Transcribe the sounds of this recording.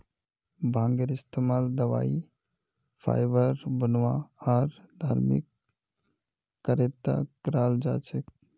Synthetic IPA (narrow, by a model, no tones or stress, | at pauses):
bʱãŋɡəɾist̪emaːld̪əʋa̰ːi | pʰa̰jbəɾbənʋaaɾd̪ʱa̰ːɾmḭk | əɾet̪ːa̰kɾaːld͡ʒa̰ːt͡ʃʰek